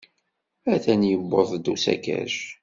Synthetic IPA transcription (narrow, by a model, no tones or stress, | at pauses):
æθænjəbːoðˤd̪usæ̰kæ̰ʃ